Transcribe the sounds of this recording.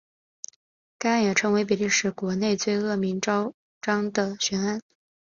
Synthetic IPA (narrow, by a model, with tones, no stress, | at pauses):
ka˥a˥˩njɛ˨˩ʈ͡ʂʰɤ˧˥ŋwe˧˥ɪp̬i˨˩li˥˩ʂɻ̩˨˩kwɔ˧˥ne˥˧ɪt͡swe˥˧ɪɤ˥˩mi˧˥ŋʈ͡ʂɑ˥ʊ | ʈ͡ʂɑ˥ŋd̪ə˨ɕɥɛ˧˥na˥n